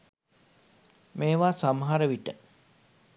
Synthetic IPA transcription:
meːʋaːsamɦaɾəʋiʈə

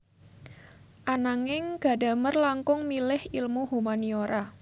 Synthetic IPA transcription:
ʔanaŋɪŋɡ̥a̤da̤mərlaŋkʊŋmilɪhilmuhumanioɾa

